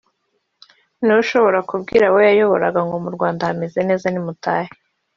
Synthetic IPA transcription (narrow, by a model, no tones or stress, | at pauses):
niuʃo̞βo̞ɾakubɡḭɾawojajo̞βoɾaɡaŋɡo̞muɾɡwaːndahameze̞ne̞ːzanimutaːhe